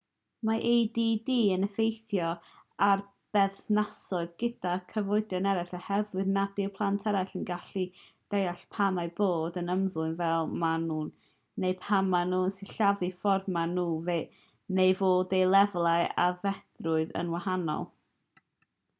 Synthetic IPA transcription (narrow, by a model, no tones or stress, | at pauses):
maʔejdiːdiːənəfejθjɔ | ar | b̥ɛθnasɔɨðɡ̥ɪd̥akʰəvɔɨdjɔnɛɾaɬahɛðwɨðnadɪwpʰlˠantʰɛɾajɬənɡaɬi | d̥ejaɬpʰamaɨboːdənəmðʊɨnvɛlˠmanuːnː | ejpʰamanuːənsɪɬavɨfɔrmanuːve | nejvoːdejlˠɛvlˠaɨa̰vɛθrʊɨðə̰nwahanɔ̰lˠ